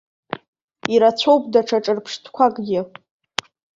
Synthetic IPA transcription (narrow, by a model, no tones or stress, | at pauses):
iɾat͡ɕʷʰo̞wpʼdaʈ͡ʂʰaʈ͡ʂʼɨrpʰʂtʰkʷʰakʼɡʲɪ